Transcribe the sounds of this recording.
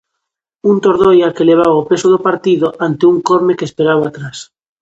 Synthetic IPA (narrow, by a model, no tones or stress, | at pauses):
unt̪oɾðojakeleβ̞aβaopesoðopaɾt̪iðoʔant̪euŋkoɾmekeːspeɾaβaːt̪ɾas